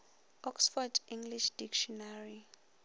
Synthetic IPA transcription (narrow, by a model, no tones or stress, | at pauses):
ɔksfɔdiŋɡliʃd̥ikʰʃɔnari